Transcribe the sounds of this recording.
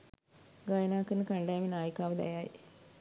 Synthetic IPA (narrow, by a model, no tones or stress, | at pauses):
ɡɐjnaːkːɨnɨkɐɳɖaːjminaːjikːaːʋɐd̪ḛjaːjḭ